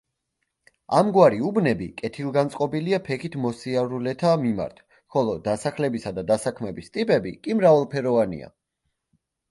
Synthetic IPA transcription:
amɡwaɾiubnɛbikʼɛt̪ʰilˠɡant̪sʼqʼɔbiliapʰɛkʰit̪ʰmɔsiaɾulɛt̪ʰamima̰ɾt̪ʰ | χɔlˠɔd̪asaklɛbisad̪ad̪asakʰmɛbist̪ʼipʼɛbḭkʼimɾavalˠpʰɛɾɔvanḭa̰

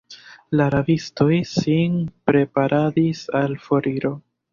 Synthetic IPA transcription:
laɾavisto̞jsinpɾe̞paɾʔadisalfo̞ɾiɾo̞

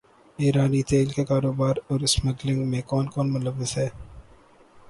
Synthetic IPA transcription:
iːɾaːnit̪eːlkekaːɾoːbaːɾɔːɾɪsməɡlɪ̃ŋɡmẽkɔːnkɔːnmʊləʋːɪsɦɛː

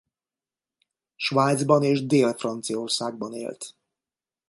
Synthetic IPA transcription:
ʃʋaːjd̪zbɒneːʒd̪eːlfrɒnt̪sijɒorsaːɡ̚bɒnḛːlt̪

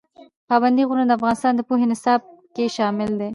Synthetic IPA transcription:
pɑband̪iɣunəd̪əafɣɑnɪst̪ɑnd̪əpoɦenɪsɑb̚keʃɑmɪld̪e

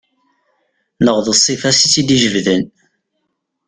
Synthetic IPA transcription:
nəʁðəsˤːifɑsit͡sːid̪iʒəvðən

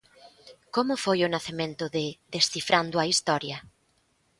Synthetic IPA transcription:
komʊfojʊnaθemẽnt̪ʊðɪðesθifɾʔand̪ʊɐist̪ɔɾjɐ

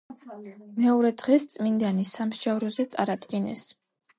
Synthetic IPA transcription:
mɛɔɾɛd̪ʁɛst̪sʼmind̪anisamʃd͡ʒavɾɔzɛt̪sʼaɾad̪ɡinɛ̰s

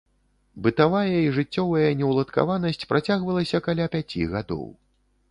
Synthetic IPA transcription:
bɨt̪avajɐiʐɨt͡sʲːɔvɐjɐnʲɛwlˠɐt̪ka̰vanɐsʲt͡sʲpɾʔat͡sʲaɣvɐlˠɐsʲɐkalʲapʲat͡sʲiɣad̪ɔ̰w

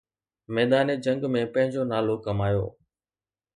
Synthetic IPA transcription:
mɛːd̪aːned͡ʑɐ̃ŋɡmẽpɐ̃ɦɪ̃ɲd͡ʑonaːlokɐmaːjo̰ː

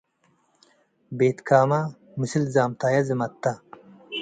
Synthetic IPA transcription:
beːt̪kʰaːmɐ | musilzaːmt̪aːjɐzimɐt̪ːa

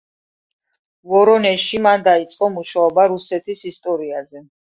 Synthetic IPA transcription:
vɔɾɔnɛʃimand̪ait̪sʼqʼɔmuʃaɔbaɾusɛt̪ʰisist̪ʼɔɾiazɛ

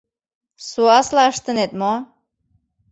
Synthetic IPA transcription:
suɑslɑəʃt̪ə̆net̪mɔ

